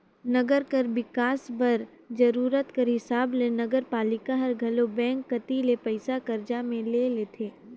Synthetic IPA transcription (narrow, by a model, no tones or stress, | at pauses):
nɐɡəɾkɐɾbɪkaːsbɐɾ | d͡ʒɐɾuːɾət̪kəɾɦɪsaːblenɐɡəɾpaːlɪkaɦɐɾɡʱɐlobɛ̃ːŋkːɐt̪ilepəɪsakɐɾd͡ʒamẽleːleːt̪ʰeː